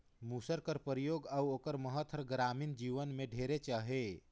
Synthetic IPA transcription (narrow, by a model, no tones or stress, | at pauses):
musəɾkəɾpəɾijoɡauokəɾməɦət̪ʰːəɾɡɾamind͡ʒiʋənmeɖʱeɾet͡ʃaɦe